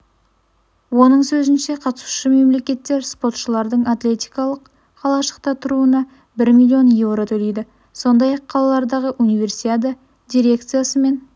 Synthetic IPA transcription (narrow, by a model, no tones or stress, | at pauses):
wo̞nəɴsɵzɪnʃe̞qʰɑt̪ə̥su̥ʃəme̞mle̞kʲe̞t̪ːe̞ɾspo̞t̪ʃəlˠɑɾd̪əɴat̪lʲe̞t̪ʲijkɑlˠəqːʰ | ɑlˠɑʃə̥q̚t̪ɑt̪ʰʊɾuənɑ | bɪɾmilʲːio̞nje̞vɾo̞t̪ʰɵlejd̪ɪ | so̞nd̪ɑjɑqːʰɑlˠɑlˠɑɾd̪ɑʁəʔunijve̞ɾsit̪ad̪ə | d̪ʲijɾʲe̞kt̪sɨjasəme̞n